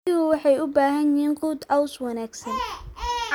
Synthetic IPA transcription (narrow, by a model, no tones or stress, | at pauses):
ɪhʊwɑħɑjʊbaːɦɐnɪhiːnquːd̪ɐwswɑnaːɡsɐnʕ